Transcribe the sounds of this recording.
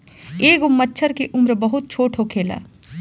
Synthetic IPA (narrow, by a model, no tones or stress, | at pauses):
eːɡʊmːətːʃʰəɾkeʔʊmɾbɐɦʊt̪̚t͡ʃʰoːʈʰokʰeːla̰ː